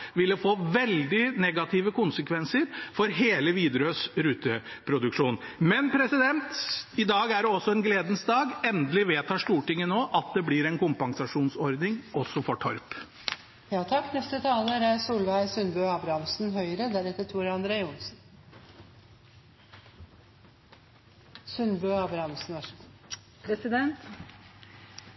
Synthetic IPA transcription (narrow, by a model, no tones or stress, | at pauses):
ʋɪlːəfoːʋɛld̪ɪnɛɡɑt̪ʰɪʋəkʊnsəkʋɛnsəɾfɔɾɦeːləʋiːd̪ɾøːsɾʉːt̪əpʰɾʊd̪ʉkʂuːnmɛnpʰɾɛsɪd̪ɛnt̪ɪd̪ɑːɡæɖɛɔsːɔɛnɡleːd̪ən̩sd̪ɑːɡɛnd̪əlɪʋeːt̪hɑʂʈ̪uːʈɪŋːənoːʔɑt̪̚d̪ɛblɪɾɛnkʊmpɑŋsɑʂuːnsɔɾd̪nɪŋɔsːɔfɔʈʰɔɾp | jɑːt̪ʰɑkːnɛst̪ət̪ʰɑːləɾæsuːlʋæɪsʉnbøɑːbɾɑmsn̩ɦœʏɾəd̪æɾɛt̪ːəʈ̪ʰuːɾɑnd̪ɾeːʊnsn | sʉnbøːɑːbɾɑmsn̩ʋɑ | pʰɾɛsɪd̪ɛnt̪